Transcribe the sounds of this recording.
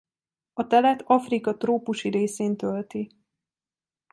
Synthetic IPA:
ɒt̪ɛlɛt̪ɒfrikɒt̪roːpuʃiɾeːseːnt̪ølt̪i

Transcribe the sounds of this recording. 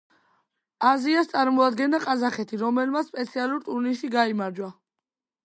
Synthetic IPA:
aziast̪sʼaɾmɔad̪ɡɛnd̪aqʼazaχɛt̪ʰiɾɔmɛlmat̪spʼɛt̪sʰialuɾt̪ʼuɾnisiɡaimaɾd͡ʒwa

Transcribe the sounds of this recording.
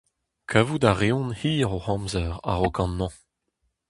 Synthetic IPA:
kʰavudaʁeɔ̃nhiːʁohɑ̃mzɛʁa̰ʁokɑ̃nːɑ̃

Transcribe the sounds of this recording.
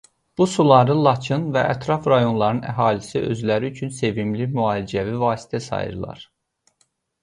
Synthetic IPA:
b̥usulˠɑɾɯlˠɑt͡ʃʰɯnvæʔæt̪ʰɾɑfɾɑjo̞nlˠɑɾɯnæɦɑːlisiʔø̞̰zlæɾiyt͡ʃʰynse̞vimlimyɑːlid͡ʒævivɑːsi̥t̪ʰæsɑ̰jɯ̰ɾlˠɑ̰ɾ̥

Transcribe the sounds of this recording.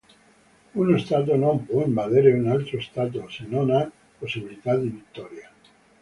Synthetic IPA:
unest̪at̪̬onõmpwoembaðeɾeunalt̪ɾoest̪at̪̬osenõna | posiβilit̪aðiβit̪ːoɾja

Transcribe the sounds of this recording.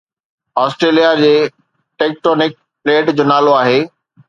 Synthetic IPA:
ɔːsʈɾeːlijad͡ʑeː | ʈeːk̚ʈɔːnɪk̚ | pleːʈd͡ʑoːnaːloaːɦeː

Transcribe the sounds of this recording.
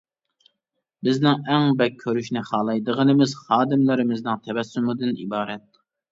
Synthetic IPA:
bɪznɪŋɛŋbɛk̚ʲʰːøɾyʃnɪχɑːlˠɑjd̪əʁənɨmɪz̥χɑːd̪ɪmlɪɾɪmɪznɪŋt̪ʰɛvɛsːumɨd̪ɨnḭbɑːɾɛt̪̚

